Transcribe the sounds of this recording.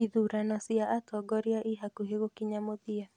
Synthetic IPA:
iðuɾanɔsiaʔatɔɡɔɾjaʔiɦakuɦeɣokiɲamoðia

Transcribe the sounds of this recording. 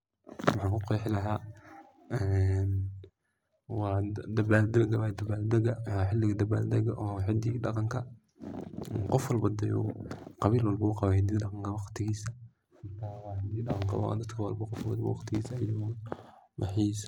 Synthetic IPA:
wɑħaːŋkʰʊqɔħɪlɐɦaː | ɛn | wɑːd̪ɐbaːld̪ɐɡɐβad̪ɐbaːld̪ɐɣɐħɪlːɪɣɐd̪ɐba̰ːld̪ɐɣɐʔɔħɪd̪iːɗɑqɑŋkʰɐ | ɛqɔfwɑlbɐd̪ɛjɔ̰qɑβiːlwɑlbɐʊqɑβahd̪iːɖɑqɑŋkʰɐwɑqt̪ʰɪɣiːsɐ | ħɪt̪ʰaːwɑːħɪd̪iːɗɑqɑŋkʰɐwɐ̰d̪ɐt̪kʰɐwɑlbɐqɔfbd̪b̰wɑ̰qt̪ʰɪɣiːsɐɐjʊ | mħiːs

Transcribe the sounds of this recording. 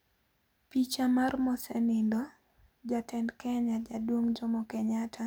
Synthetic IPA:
pit͡ʃamarmɔsɛnɪndɔ | d͡ʒatɛndkɛɲad͡ʒadwoŋd͡ʒɔmɔkɛɲatʰa

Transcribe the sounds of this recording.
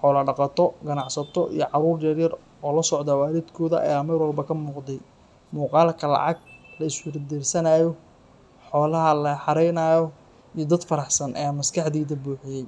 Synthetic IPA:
ħɔːlɐɖɑqɑt̪ʰɔɡɐnɑʕsɐt̪ʰɔʔḭjɔʕɑɾuːrjɐrjɐr | ɔːlɐsɔʕd̪awaːɾid̪kʰɔːðɐ̰ʔɐ̰jaːmɐɾwɔlbɐkʰɐmuːqd̪ɛj | muːqɑːlkʰɐlɑ̰ʕɑɡlɐɪswɪɾd̪irsɐnaːjɔ | ħɔːlɐɦɐlɐħɑɾɛjnaːjɔ | ijɔd̪ɐd̪fɐɾɑħsɐnʔɐ̰jaːmɐskʰɑħd̪iːðɐbuːħɪjɛj

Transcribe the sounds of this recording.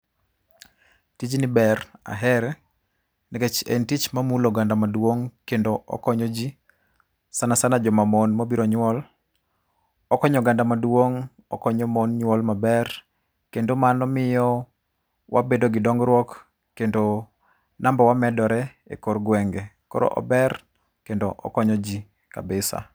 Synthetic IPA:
tit͡ʃnibɛra̰ɦɛɾɛ | niket͡ʃḛntit͡ʃmamuloɡandamadwoŋkendoʔɔ̰kɔɲɔd͡ʒi | sanasanad͡ʒɔmamɔnmobiɾɔɲwɔl | ɔkɔɲɔɡandamadwoŋ | ɔ̰kɔɲɔmɔnɲwɔlmabɛr | kendomanɔmɪjɔ | wabedoɡɪdɔŋɡɾwɔkː | endo | nambɔwamɛdɔɾɛ | ḛkorɡwɛŋɡe | kɔ̰ɾɔ̰ʔɔ̰bɛr | kendoʔɔ̰kɔɲɔd͡ʒi | ka̰bɪsa̰

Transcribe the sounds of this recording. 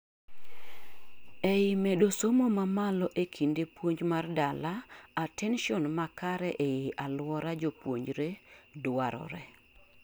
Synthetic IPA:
ejɪmedosomomamalɔʔekʰindepwoɲd͡ʒmardalaːtɛnʃɔnmakaɾɛʔejeʔalwɔɾad͡ʒopwoɲd͡ʒɾedaɾɔ̰ɾɛ̰

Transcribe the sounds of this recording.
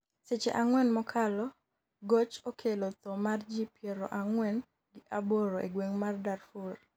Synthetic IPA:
set͡ʃḛʔaŋwɛnmɔkʰalɔ | ɡot͡ʃokʰelot̪ɔmard͡ʒipjeɾɔ̰ʔaŋwɛn | ɡɪʔaboɾoʔḛɡweŋmardarfur

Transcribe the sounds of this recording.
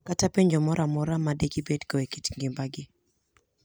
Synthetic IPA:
katapeɲd͡ʒɔmɔɾʔamɔɾamadekibedkɔekit͡ʃŋɡɪmbaɡɪ

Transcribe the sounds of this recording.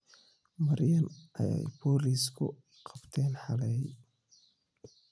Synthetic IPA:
mɐɾjɐnʔɐjɛ̰jpʰɔːliːskʰʊ̰ | qʰɑbt̪ʰɛːnħɑlɛj

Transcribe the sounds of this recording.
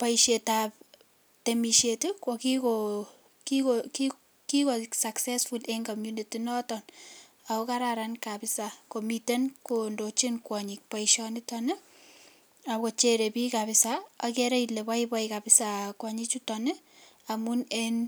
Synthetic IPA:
paiʃetap̚ | temiʃetekwɔkiko | kikoki | kikosaksɛsfuleŋkomjunitinɔtɔn | aokaɾaɾankapɪsakomitenkondot͡ʃinkwɔɲik̚paiʃɔnɪtɔne | akot͡ʃeɾepikapɪsaakeɾeilepaipaikapɪsakwaɲit͡ʃutɔneamunen

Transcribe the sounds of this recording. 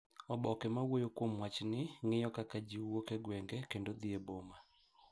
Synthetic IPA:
ɔbɔkɛmawojokwomwat͡ʃnɪŋɪjɔkakad͡ʒiwokeɡwɛŋɡɛkendod̪ieboma

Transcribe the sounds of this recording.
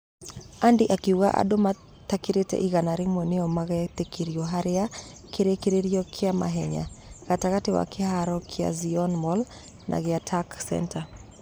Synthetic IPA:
andiʔakiuɣaʔa̰ɗoma | t̪akiɾetɛ̰ʔiɣanaɾɪmwɛneɔmaɣɛt̪ekiɾiɔɦaɾɪa | keɾekeɾeɾiɔkʰɪama̰ɦɛɲa̰ɣ̥ataɣatɪwa̰keɦaɾɔkʰɪa̰ziɔnmɔl | nʔa̰ɣɪatʰaksɛ̰ntʰa

